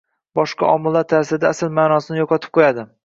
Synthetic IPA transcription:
bɒʃqɑ̰ʔɒmɪlˠːaɾt̪ʰaɾsɪd̪aːsɪlmaːnɒsɪnɪjɒqʰɒt̪ʰɪ̥p̚qʰojad̪ɪ

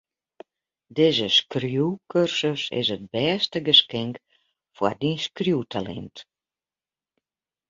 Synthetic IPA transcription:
dɪːzəskrjuwkʰørsəsɪ̰sət̚bɛːstəɡəskɪŋk | fwadinskrjuːtʰalɛ̰nt

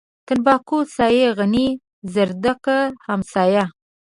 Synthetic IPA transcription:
t̪ɪnbɑkusɑjeɣani | zəɾd̪aqahamsɑja

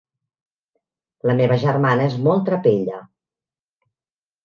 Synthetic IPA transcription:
ləmeβəʒərmanəezmɔlˠt̪ɾəpeʎə

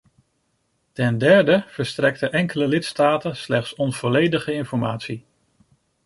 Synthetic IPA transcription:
tɛndɛɹdəv̥əɹstrɛktəʔɛŋkələlɪtstaːtənslɛχtsɔnv̥ɔlejdəχəɪnfɔɹmaːtsi

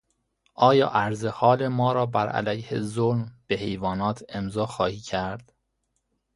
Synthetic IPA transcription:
ʔɒːjɒ̰ːʔæɾzehɒːle̞mɒːɾɒːbæɾʔæ̰læ̰jhḛzolmb̥ehe̞jvɒːnɒːt̪ʰe̞mzɒːxɒːhiːcʰæɾd̪̥

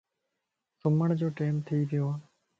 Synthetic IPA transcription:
sʊməɳd͡ʒoːʈeːmt̪ʰiːʋɪjoː

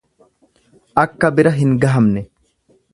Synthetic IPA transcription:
ʔɐkːɐbɪɾɐɦɪŋɡɐɦɐmnɛ

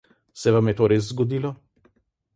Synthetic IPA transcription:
sɛʋamjɛt̪oːɾeːs̬zɡɔd̪iːlɔ

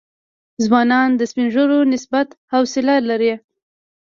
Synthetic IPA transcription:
zwɑnɑnd̪əspinʒoɾonɪsbat̪hawsɪlalaɾe

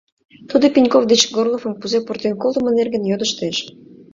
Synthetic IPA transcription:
t̪ud̪əpʲinʲkofd̪et͡ɕɡorlˠofə̆mpuzepurt̪ʲenkolˠd̪ə̆mə̆nerɣənjod̪əʃt̪eʃ

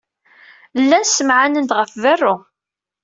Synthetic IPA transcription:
lːænsəmʕanənd̪ʁəfðærˤːʊ

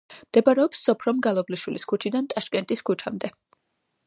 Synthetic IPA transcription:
md̪̥ɛbaɾɛɔpsːɔpʰɾɔmɡalˠɔbliʃwiliskʰut͡ʃʰid̪ant̪ʼaʃkʼɛnt̪ʼiskʰut͡ʃʰamd̪ɛ

